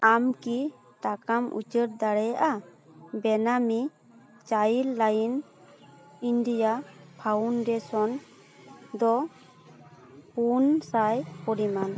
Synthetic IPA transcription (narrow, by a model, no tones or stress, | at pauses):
amki | t̪akamṵt͡ʃəɾd̪aɽɛʔabɛnami | t͡ʃajilːajin | indijapʰaunɖɛsɔn | d̪ɔ | punsajpɔɽiman